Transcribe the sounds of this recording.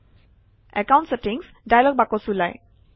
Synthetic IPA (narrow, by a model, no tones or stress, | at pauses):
ɛkaw̃ntsetiŋs | dajlɔɡ̚bakɔsulaj